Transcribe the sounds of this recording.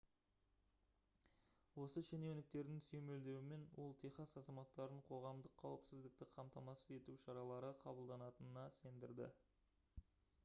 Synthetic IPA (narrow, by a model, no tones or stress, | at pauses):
wo̞səʃenewnɪk̚t̪e̞ɾd̪ɪŋsɵme̞ld̪e̞wɪme̞nwʔo̞lˠt̪ʰejχɑsɑzɑmɑt̪ːɑɾəɴqʰo̞ʁɑmd̪əqʰːɑwəpsɪzd̪ɪk̚t̪ɪqʰɑmt̪ɑmɑsəze̞t̪uwʃɑɾɑlˠɑɾəqʰɑbəlˠd̪ɑnɑt̪ənənɑse̞nd̪ɪɾd̪ɪ̰